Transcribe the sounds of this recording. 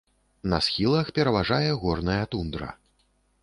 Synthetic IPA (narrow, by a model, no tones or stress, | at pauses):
nɐsxʲilˠɐxpʲɛɾɐvaʐajɛɣɔrnɐjɐt̪und̪ɾɐ̰